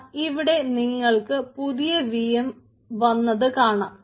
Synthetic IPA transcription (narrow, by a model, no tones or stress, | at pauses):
iʋiɽe̞niŋːɐɭkɨpuðijɐʋijɐm | ʋɐnːɐðɨkaːɳaːm